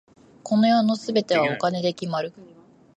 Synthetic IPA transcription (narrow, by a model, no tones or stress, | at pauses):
ko̞no̞jo̞ːno̞sɨbe̞t̪e̞β̞ao̞kane̞d̪e̞kʲimaɾɯ̟